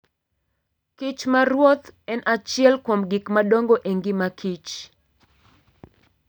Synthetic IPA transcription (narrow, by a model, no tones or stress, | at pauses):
kit͡ʃmaɾwot̪ɛnʔat͡ʃɪɛlkwomɡikmadoŋɡoʔeŋɡɪmakʰit͡ʃ